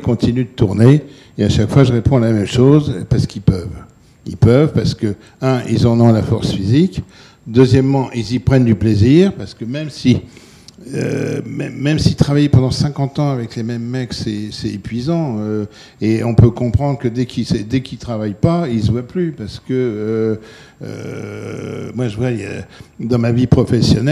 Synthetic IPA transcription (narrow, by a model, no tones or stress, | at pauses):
kɔ̃t̪inyd̪ət̪uʁne | eaʃakfwaʒəʁepɔ̃alamɛmʃozpaʁsə̥kilpœv | ḭlpœvpaʁsə̥kə | ɛ̃ḭlzɑ̃nɔ̃lafɔʁsfizik | d̪øzjɛmːɑ̃ʔilzipχɛnd̪ypleziʁpaʁsə̥kəmɛmsi | ø̰mɛːɛmsit̪χavajpɑ̃d̪ɑ̃sɛ̃kɑ̃t̪ɑ̃avɛklemɛmːɛksɛsɛepɥizɑ̃ø | eɔ̃pøkɔ̃pχɑ̃d̪ʁəkəd̪ɛkʰisɛd̪ɛkilt̪χavajpailswaplypaʁsə̥kəø | ø̰ | mwaʒəvwaja̰d̪ɑ̃mavipχɔfɛsjɔnɛ